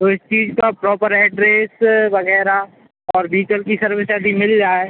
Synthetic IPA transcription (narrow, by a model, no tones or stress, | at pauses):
t̪oɪst͡ʃiːd͡ʒkapɾɔːpəɾɛːʈɾeːsʋɐɣɛːɾa | ɔːɾbiːʈəlkisɐɾʋesjaːd̪imɪld͡ʒaːeː